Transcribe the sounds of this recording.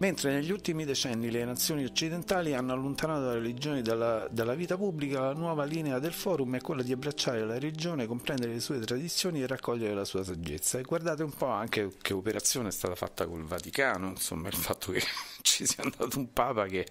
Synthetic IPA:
ment̪ɾeneʎːiult̪imid̪et͡ʃɛnːilenat̪sːjoːniot͡ʃːid̪ent̪aːlianːoalːont̪anaːt̪oaɾelid͡ʒoːnid̪alːad̪alːaviːt̪apublikalanwɔːvaliːnead̪elfɔːɾumɛkːwelːad̪iabːɾat͡ʃːaːɾelaɾelid͡ʒoːnekompɾɛnd̪eɾelesuːet̪ɾad̪it̪sːjoːnierːakːɔʎːeɾelasuːasad͡ʒːḛt̪sːaeɡward̪aːt̪̬eumpɔaŋk̟ekʰeopeɾat̪sːjoːneɛst̪a̰ːt̪afa̰t̪ːako̰lvat̪ikaːnoinso̰mːailfat̪ʰːoket͡ʃisiand̪aːt̪oumpaːpake

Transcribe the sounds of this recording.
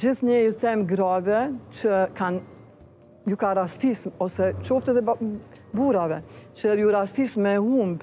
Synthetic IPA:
d͡ʒiθɲəit̪ɛmɡɾavɛt͡ʃəkan | jukaɾasismɔsɛt͡ʃɔft̪ɛt̪ɛ | buɾavɛt͡ʃəjuɾasismɛhumb

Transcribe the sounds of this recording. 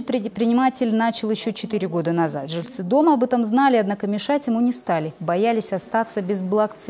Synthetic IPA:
ɪt̪pɾʲɪɪt̪̚pɾʲɪnʲɪmatʲɪlʲnat͡ɕɪlˠjɪɕːo̞t͡ɕɪt̪ɨɾʲɪɡo̞d̪ənɐza̰t̪ʐɨlʲt̪sɨd̪o̞məɐbɛt̪əmznalʲɪɐd̪nakəmʲɪʂatʲjɪmunʲɪst̪alʲɪbɐjalʲɪsʲɐst̪at̪səbʲɪzblˠɐkt̪s

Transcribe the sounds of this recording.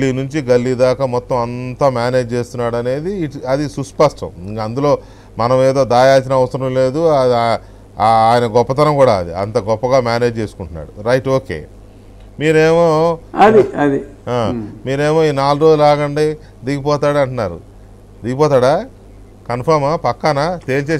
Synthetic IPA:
ɡɐlːinuɲt͡ʃiɡɐlːiːd̪aːkamɔt̪ːɐ̃mɐnt̪aːmjaːne̞ːd͡ʒt͡ʃe̞ːst̪unːaːɽɐne̞ːd̪iɐd̪isuspɐsʈɐ̰mkɐnd̪ulo̞ː | mɐnɐmeːd̪o̞ːd̪aːjaːt͡ʃinɐɐʋɐsɐɾɐ̃mle̞ːd̪u | aːjɐnɐɡɔpːɐt̪ɐnɐmkuːɽaːɐd̪iɐ̰nt̪ɐɡɔpːɐɡaːmjaːne̞ːd͡ʒt͡ʃeːsu̥kuɳʈunːa̰ːɽuɾɐjʈoːke̞̰ː | miːɾe̞ːmoːɐd̪iɐd̪iaːmiːɾe̞ːmo̞ːiːnaːluɾoːd͡ʒulaːɡɐɳɖi | d̪iːɡip̬ɔːt̪aːɽɐɳʈunaːɾṵ | d̪iɡipɔːt̪aːɽaː | kɐnpʰɐɾmapɐkːaːnat̪e̞ːlt͡ʃeː

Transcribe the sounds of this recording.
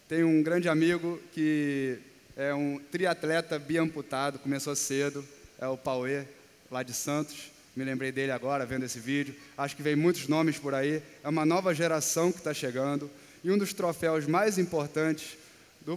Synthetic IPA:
t̪ẽj̃ʊũɡɾɐ̃nd͡ʒɪamiɡʊkɪ | ɛũt̪ɾiat̪lɛt̪ɐbiɐ̃mput̪ad̪ʊkomesosed̪ʊɛʊpawe | lad͡ʒɪsɐ̃nt̪ʊ̥ʃ | mɪlẽmbɾejd̪elɪaɡɔɾɐvẽnd̪ʊesɪvid͡ʒʊaʃʊ̥kɪvẽj̃mũj̃t̪ʊznõmɪspʊɾaiɛũmɐnɔvɐʒeɾasɐ̃w̃kɪ̥t̪aʃeɡɐ̃nd̪ʊ | ɪũd̪ʊʃt̪ɾofɛwzmajzĩmpoɾt̪ɐ̃t͡ʃɪ̥s | d̪ʊ

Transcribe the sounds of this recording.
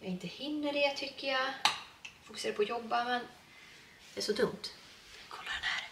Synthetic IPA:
jaɪnt̪əhɪnːəɖɛt̪ʰʏkːəja | fʊkɵsːɾaəpʰɔjɔbːamɛn | d̪̥ɛæʂɔt̪ʰɵŋt̪ | kʰɔlːaɾɛnhæɾ

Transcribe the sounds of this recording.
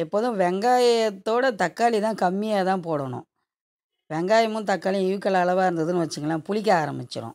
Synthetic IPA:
ɛpːoːðʊ̃ʋɛŋɡaːjɐt̪ːoːɽɐt̪ɐkːaːlit̪ãːkɐmːɪjaːt̪ãːpoːɽɐɳʊ̰̃ | ʋɛŋɡaːjɐmɯ̃nt̪ɐkːaːlij̃ɪʋɯkːɐlaːlɐʋaːɪɾɯnd̪ɐðɯnɯʋɐt͡ʃːɯŋɡɐlãːpʊɭɪk̬ːaːɾɐ̰mbɪt͡ʃːɪɾʊ̰̃

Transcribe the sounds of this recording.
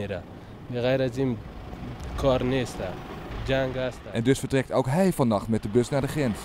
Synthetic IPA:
eɾa | biɣajɾazim | kʰɔɾnest̪ad͡ʒaŋɡast̪aʔɛndøsfəɹtrɛk̚towkɦɛjfɔnːɑxtmɛt̚dəbøsnaːɹdəχrɛns

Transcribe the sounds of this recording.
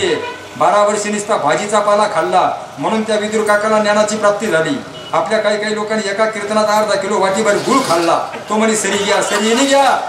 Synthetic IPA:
e | baɾaʋəɾsenist̪abʱad͡ʑit͡sapalakʰalːa | m̤əɽ̃uːnt̪jaʋid̪uɾkakalanjaɽ̃at͡ɕiːpɾap̚t̪iːd͡zʱalḭː | apljakaiːkaiːlokaniɛkakiɾt̪nat̪aaɾd̪akʰiloʋaʈiːbəɾiɡʱulkʰalːat̪oməɽisəɾiɡjasəɾijeniɡja

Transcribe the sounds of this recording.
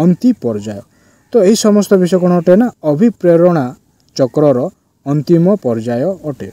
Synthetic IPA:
ɔnt̪ipɔɾd͡ʒajɔ | t̪ɔeɦisɔmɔst̪ɔbisɔjkɔɽ̃ɔːʈenaɔbʱipɾeɾɔɽ̃a | t͡ʃɔkɾɔɾɔ | ɔnt̪imɔpɔɾd͡ʒajɔːʈe

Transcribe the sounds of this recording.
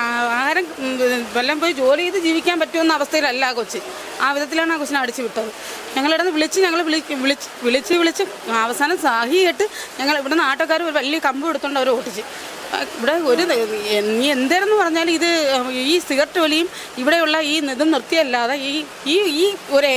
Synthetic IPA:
aaːɾɐmʋelːɐmpoːjd͡ʑo̞ːliiðɨd͡ʑiːʋikʲːaːnpɐtːuenːɐʋɐst̪ʰɐjilɐlːaːkot͡ɕːɨ | aːʋiðɐt̪̬ːilaːɳɨaːkoɕːɐnːɽit͡ɕːɨʋiʈːɐðɨ | ɲɐŋːɐɭiɽenːɨʋiɭit͡ɕːɨɲɐŋːɐɭʋiɭʋiɭit͡ɕːɨ̥ʋiɭit͡ɕːɨʋiɭit͡ɕːɨ | ɐʋɐsaːnɐmsaːhijɐjiʈːɨɲɐŋːɐɭiʋiɽenaːʈːok̬ːaːɾmo̞ɾuʋɐlijɐkɐmbueɽut̪ːuːɳɖɐʋɐɾo̞ːʈːit͡ɕːɨ̰ | iʋiɽeoɾueiend̪eːɾenːɨpɐrɐɲːaːliðɨiːsiɣɐrʈːɨʋɐlijum | iʋiɽe̞juɭːɐiːniðɐmnirt̪ːijɐlːaːðei | iːiːoɾ

